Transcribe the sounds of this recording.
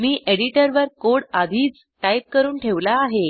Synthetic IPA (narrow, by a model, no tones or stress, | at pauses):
miːʔeɽiʈəɾʋəɾkoɽad̪ʱiːt͡s | ʈajp̚kəɾuːnʈʰeʋlaːɦe